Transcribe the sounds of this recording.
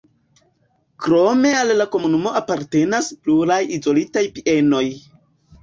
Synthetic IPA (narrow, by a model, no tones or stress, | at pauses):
kɾo̞me̞alːako̞munumo̞apaɾte̞naspluɾajizo̞litajpiʔe̞no̞j